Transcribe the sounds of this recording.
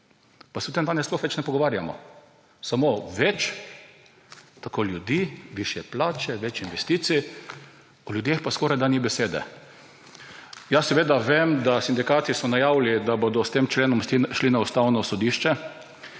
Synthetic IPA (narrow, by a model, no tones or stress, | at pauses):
pasɛwt̪emd̪aːnɛslɔxʋɛt͡ʃnɛpɔɡɔʋaːɾja̰mɔ̰ | samoʋɛt͡ʃ | t̪akoːlʲjud̪iːʋiʃjɛplaːt͡ʃɛʋɛt͡ʃinʋɛst̪iːt̪si | ɔljud̪expaskɔɾajd̪anibɛseːd̪ɛ̰ | jasɛʋeːd̪aʋemd̪asind̪ikaːt̪isɔnajaːwlid̪abod̪ɔst̪eːmt͡ʃleːnɔmʃlinaust̪awnɔsɔd̪iʃt͡ʃɛ